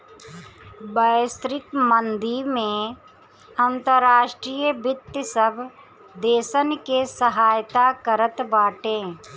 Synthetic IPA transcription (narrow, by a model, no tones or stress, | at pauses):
bəst̪ɾɪkmə̃nd̪imẽ | ənt̪əɾaːʃʈɾiːjəbɪt̪ːəsəbʱ | d̪eːʃənkesəɦaːjt̪akəɾət̪baːʈẽː